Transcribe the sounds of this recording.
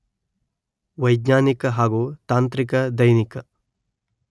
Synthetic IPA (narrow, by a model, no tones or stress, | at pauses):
ʋɐjɡɲaːnikɐɦaːɡuːt̪aːnt̪ɾikɐd̪ɐjnikɐ